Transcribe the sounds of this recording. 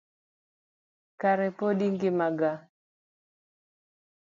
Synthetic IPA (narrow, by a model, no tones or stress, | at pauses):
kaɾɛpodiŋɡɪmaɡa